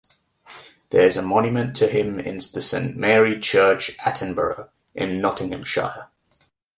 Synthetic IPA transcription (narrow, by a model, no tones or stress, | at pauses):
ðəɹɪzəmɒ̃njəmə̃ntʰəɪ̃mɪ̰̃nðəsẽɪ̃nʔmɛːɹit͡ʃʰɜˑt͡ʃʔatʰə̃nbəɹə | ʔɪ̰̃nːɒtɪ̃ŋə̃mʃa̰ɪə